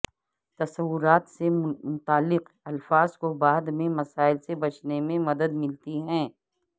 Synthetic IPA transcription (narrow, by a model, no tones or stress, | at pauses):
t̪ɐsɐwːʊɾaːt̪semʊt̪aːlːɪq | ɐlfaːzkobaːd̪mẽmɐsaːɪlsebɐt͡ʃnemẽmɐd̪əd̪mɪlt̪iɦɛ̃ː